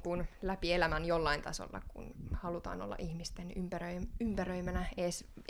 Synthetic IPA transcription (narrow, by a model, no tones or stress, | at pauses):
kunlæpielæmænjolːɑint̪ɑso̰lːɑ̰kṵnhɑlut̪ɑ̰ːno̰lːɑ̰ʔihmist̪enympærøiympærøimænæeːs